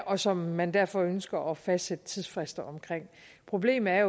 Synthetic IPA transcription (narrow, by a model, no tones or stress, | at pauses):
ɒ̽sɒ̽mːænd̥æɐ̰fɒ̽ønsɡ̥ɐʔɒfæsd̥sed̥ət͡sʰiðˠsfʁɛsd̥ɐɒ̽mkʰʁeŋ̰ | pʰʁo̝b̥le̝̰ːm̩æɐjo